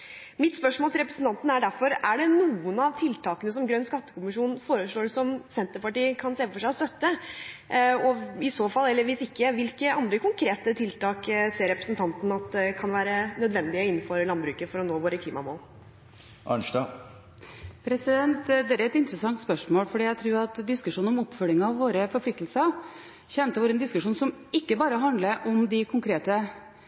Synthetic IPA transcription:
mɪt̪spœʂmoːlt̪ɪlɾɛpɾəsn̩t̪ʰɑnt̪n̩æɖæɾfɔɾæɖɛnuːənɑʋt̪ʰɪlt̪ʰɑːkənəsɔmɡɾœnːskɑt̪ːə̥kʊmɪʂuːnn̩foːɾəʂɭoːsɔmsɛnt̪əɾpɑʈiːəkʰɑnseːfɔʂæɪɔst̪œt̪ːə | ɔɪsoːfɑlːɛlːəɾʋɪsɪkːəʋɪlkːəʔɑnd̪ɾəkʊŋkʰɾeːt̪ət̪ʰɪlt̪ɑːkseːɾːɛpɾəsənt̪ɑnt̪n̩ɑt̪̚d̪ɛkʰɑnʋæːɾənœd̪ʋɛnd̪ɪɔɪnːfɔɾəlɑnbɾʉːkəɾfɔɾɔnoːʋoːɾəkʰliːmɑmo̰ːl | ʔɑ̰ɳʂd̪ɑː | pʰɾɛsɪd̪ɛnt̪d̪ɛæɾɛt̪ɪnt̪ɾəsɑŋt̪spœʂmoːlfɔɖiːæɪt̪ʰɾuːɾɑt̪d̪ɪskʉʂuːnɔmɔpfœlːɪŋɑʋːoːɾəfɔɾpʰlɪk̚t̪l̩səɾ | çɛnt̪əʋoːɾəɛnd̪ɪskʉʂuːnsɔmɪkːəbɑːɾəɦɑnd̪ləʔɔmd̪ɪkʰʊŋkʰɾeːt̪ə

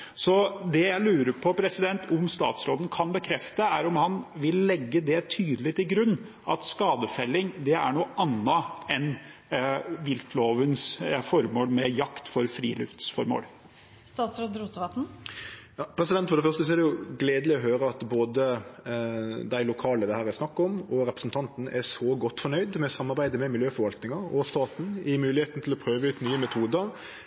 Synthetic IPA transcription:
sɔd̪ɛjæɪlʉːɾəɾpʰɔpʰɾɛsɪd̪ɛnt̪ʰʊmst̪ɑ̰ːt̪sɾoːd̪ən̩kʰɑnbəkʰɾɛft̪əæɾʊmhɑnʋɪlːɛɡːəd̪ɛt̪ʰyːd̪əlɪt̪ʰɪlɡɾʉnː | ʔɑ̰t̪skɑːd̪əfɛlːɪŋd̪ɛæ̰ɳuːʔɑnːəɛn | ʋɪlk̪ʰloːʋənsfɔɾmoːlmɛjɑkt̪fɔɾfɾḭːlʉ̰ft̪sfɔɾmo̰ːl | st̪ɑːt̪ɾod̪ɾuːt̪əʋɑt̪n̩ | jɑːpʰɾɛsɪd̪ɛnt̪fɔɾɖɛfœɾst̪əs̬ɔæɾɖɛjʊɡleːd̪əlɪɔɦøːɾəɑt̪boːd̪ə | d̪æɪlʊkʰɑːləd̪ɛhæːɾɛsnɑkːɔmɔɾɛpɾəsn̩t̪ʰɑnt̪n̩æsɔɡɔt̪ːfɔnɳœʏd̪mɛsɑmːɑɾbæɪd̪əmɛmɪljøːfɔɾʋɑlt̪nɪŋɑɔst̪ɑːt̪n̩ɪmʉːlɪheːt̪n̩t̪ʰɪlɔpʰɾøːʋəʉːt̪nyːəmɛt̪ʰuːd̪əɾ

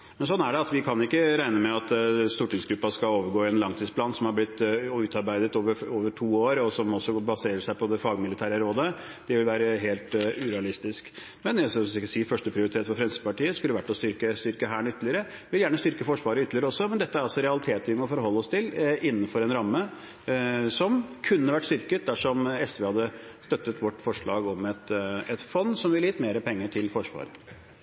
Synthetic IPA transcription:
mɛnsɔnːæɖɛɑt̪ʋɪkʰɑnɪkːəɾæɪnəmɛɑt̪st̪uːʈɪŋsɡɾʉpːɑskɑloːʋəɾɡoːɪɛnlɑŋt̪ʰiːspʰlɑːnsɔmhɑblɪt̪ːʉːt̪ɑɾbæɪd̪ət̪oːʋəɾoːʋəʈʰuːoːɾɔsɔmɔsːɔbɑseːɾəʂæɪpʰɔd̪ɛfɑːɡmɪlɪt̪ʰæːɾəɾoːd̪ə | d̪̥ɛʋɪlʋæːɾəɦeːlt̪ʉɾɛɑlɪst̪ɪsk | mɛnɛssɪkːəsiːfœʂʈəpʰɾɪʊɾɪt̪ʰeːt̪fɔɾfɾɛnsəpɑʈiːəskʉlːəʋæʈːɔst̪ʏɾkəst̪ʏɾkəɦæːɳʏt̪ːəlɪəɾə | ʋɪljæːɳəst̪ʏɾkəfɔʂʋɑːɾəʏt̪ːəlɪəɾəɔsːɔmɛnd̪ɛt̪ːəæɾɑlsɔɾɛɑlɪt̪ʰeːt̪ʋɪmɔfɔɾɦɔlːəɔst̪ʰɪlʔɪnːənfɔɾɛnɾɑmːə | sɔmkʰʉnːəʋæʈːst̪ʏɾkət̪̚d̪æʂɔmɛsʋeːhɑd̪ːəst̪œt̪ːət̪ʋɔʈːfɔʂɭɑ̰ːɡɔmɛt̪ɛt̪fɔnsɔmʋɪlːiːt̪meːɾəpʰɛŋːəʈʰɪlfɔʂʋɑ̰ːɾə

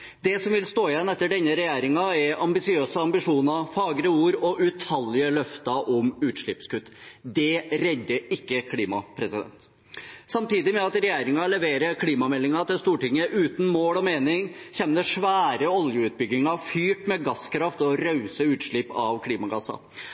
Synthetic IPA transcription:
d̪ɛsɔmʋɪlst̪oːɪjɛnːɛt̪ːəɖɛnːəɾɛjeːɾɪŋɑɛɾɑmbɪsɪøːsəɑmbɪʂuːnɑfɑːɡɾəuːɾɔʔʉt̪ʰɑljəlœft̪ɑʔɔmʉːt̪ʂɭɪpskʉt̪ːd̪ɛɾɛd̪ːəɪkːəkʰliːmɑ̰pʰɾɛsɪd̪ɛ̰nt̪ | sɑmt̪iːd̪ɪmɛɑt̪ɾɛjeːɾɪŋɑlɛʋeːɾəkʰliːmɑmɛlːɪŋɑt̪ɪlst̪uːʈɪŋːəʔʉːt̪n̩moːlɔmeːnɪŋçɛmnəʂʋæːɾəɔljəʉːt̪̚bʏɡɪŋɑfyːʈmɛɡɑskʰɾɑft̪ɔɾœʉsəʉːt̪ʂɭɪpɑʋkʰliːmɑɡɑsːɑ̰

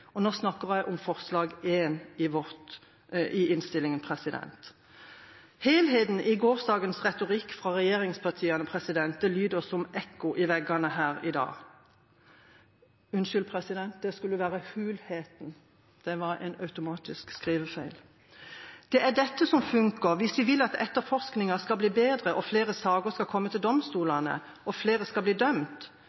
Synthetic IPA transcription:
ɔnoːsnɑkːəʁjæɪʔɔmfɔʁslɑːɡeːnɪʋɔt̪ | ʔɪʔɪnst̪ɪlːɪŋənpʰʁɛsɪd̪ɛ̰nt̪ | heːɪlheːt̪n̩ʔɪɡoːʁsd̪ɑːɡənsʁɛt̪ʊʁɪkːfʁɑʁɛjeːʁɪŋspʰɑʁt̪ʰiːɑnəpʰʁɛsɪd̪ɛnt̪̚d̪ɛlyːd̪əɔsɔmʔɛkːʊʔɪʋɛɡɑnəhæːʁɪd̪ɑ̰ː | ʉnʃʏlpʰʁɛsɪd̪ɛnt̪̚d̪̥ɛskʉlːəʋæːʁəhʉːlheːt̪n̩ | d̪̥ɛʋɑɾɛ̰ɪnɑʉt̪ʊmɑːt̪ɪskskʁiːʋəfæɪl | d̪̥ɛʔæd̪ɛt̪ːəsɔmfʉŋkəʋɪsʋɪʋɪlːɑt̪ɛ̰t̪ːəɾfɔʁsknɪŋɑskɑlbliːbeːd̪ʁəʔɔfleːʁəsɑːɡəskɑkʰɔmːət̪ʰɪld̪ɔmst̪uːlɑnə̰ | ʔɔfleːʁəskɑlbliːd̪œmt̪

